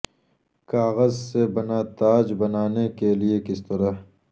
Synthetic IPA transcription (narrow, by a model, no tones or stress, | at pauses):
kaːɣəzsebɐnaːt̪aːd͡ʒbɐnaːnekeliekɪst̪ɐɾa